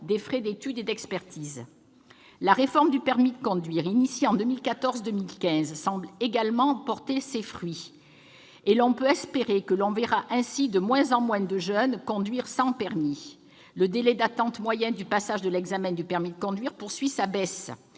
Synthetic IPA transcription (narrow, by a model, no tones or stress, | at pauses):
d̪efχɛd̪et̪yd̪ed̪ɛkspɛʁt̪iz | laʁefɔʁmd̪ypɛʁmid̪əkɔ̃d̪ɥiʁinisjeɑ̃d̪əmilkat̪ɔʁzd̪əmilkʲɛ̃zsɑ̃bleɡalmɑ̃pɔʁt̪esefχɥi | elɔ̃pøɛspeʁekəlɔ̃veʁaʔɛ̃sid̪əmwɛ̃zɑ̃mwɛ̃d̪əʒœnkɔ̃d̪ɥiʁsɑ̃pɛʁmi | ləd̪elɛd̪at̪ɑ̃t̪mwajɛ̃nd̪ypasaʒd̪əlɛɡzamɛ̃d̪ypɛʁmid̪əkɔ̃d̪ɥiʁpuʁsɥisabɛs